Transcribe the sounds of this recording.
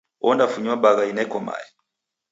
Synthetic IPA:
wʔɔndafuɲabaɣainɛkɔma̰jɛ

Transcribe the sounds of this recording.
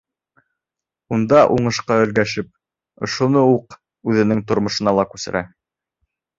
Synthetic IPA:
und̪ɑʔuɴɤ̆ʃqɑɵ̆lɡæʃɘp̚ | ŏʃŏnouq | ʉðɘ̆nɘŋt̪ŏɾmŏʃɤ̆nɑlˠɑkʉsɘ̆ɾʔæ

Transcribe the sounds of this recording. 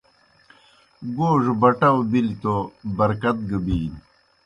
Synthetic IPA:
ɡoːʐbɐʈɐwbilit̪obɐɾkɐt̪̚ɡɐbiːn

